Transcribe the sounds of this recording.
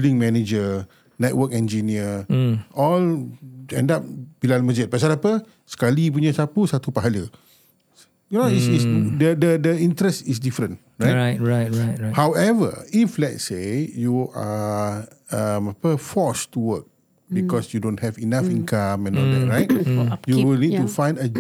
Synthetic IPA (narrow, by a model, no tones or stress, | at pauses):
filĩŋmɛned͡ʒə | nɛt̚wəkɛ̃nd͡ʒiniəʔɔlɛ̰̃ndap̚b̥ilalməd͡ʒɪt̚pas̬alapə | sə̥kalip̬uɲasapusat̪upaɦalə | junoisisdədədəĩntɾɛstisdifɾə̃n | ɹajɹahawɛvə̰iflɛt̚sejuʔa̰ | əmapəfɔstuwək̚ | bikɔsjudõnhɛvinafĩnkãmɛ̃nɔldɛ̰tɹajt̚juwilnitufãj̃ndə